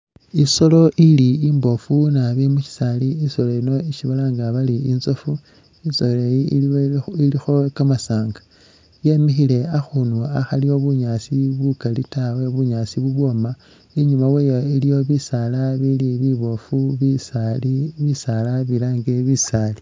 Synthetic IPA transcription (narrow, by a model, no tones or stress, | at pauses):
iso̞lo̞ʔiliimbo̞funaβimuʃi̥saliiso̞loino̞iʃiβalaːŋɡaβaliinzo̞fu | izoleji | ilixo̞kamasaːŋɡḁ | je̞mixile̞axunuaxalio̞βuɲasiβukalitawe̞βuɲasiβuβwo̞ma | iɲumaweːjoilijo̞βisalaβiliβiβo̞fuβisaliβisalaβilaːŋɡeβisali̥